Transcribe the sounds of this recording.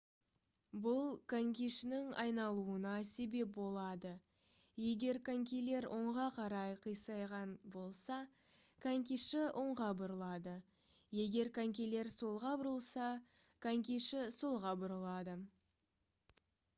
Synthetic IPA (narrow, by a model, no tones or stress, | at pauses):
bʊlˠkʰaŋkʲiʃɪnɪŋɑjnɑlˠuənɑse̞be̞p̚bo̞lˠɑd̪ə | je̞ɡʲe̞ɾkʰaŋkʲele̞ɾwʔo̞ɴʁɑqʰɑɾɑjqʰəjsɑjʁɑnbo̞lˠsɑ | kʰaŋkʲiʃɪʔo̞ɴʁɑbʊɾəlˠɑd̪ə | je̞ɡʲe̞ɾkʰaŋkʲejle̞ɾsolˠʁɑbʊɾəlˠsɑ | kʰaŋkʲiʃɪsolˠʁɑbʊɾəlˠɑd̪ə